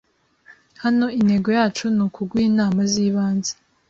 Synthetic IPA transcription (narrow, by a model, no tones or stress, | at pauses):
hano̞ine̞ɡo̞jaːt͡ʃunukʰuɡwiːnaːmaziːβaːnze̥